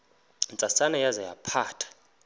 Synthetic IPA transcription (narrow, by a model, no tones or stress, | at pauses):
nt͡sʼasanɛjazaja̰pʰaːtʰḁ